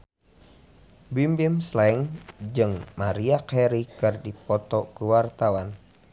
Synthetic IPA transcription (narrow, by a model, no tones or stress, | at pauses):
bimbimslɛŋd͡ʒɨŋmaɾiakɛɾikɨrdipɔt̪ɔkuwart̪awan